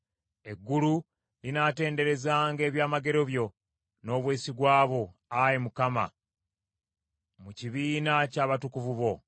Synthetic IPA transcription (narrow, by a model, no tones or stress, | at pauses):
e̞ɡːulu | linate̞ːnde̞ɾe̞zaːŋɡe̞ːβjaːmaɡe̞ɾo̞βjo̞ | no̞ːβwe̞ːsiɡwaːβo̞ajemukama̰ | muciβiːnacaːβatukuvuβo̞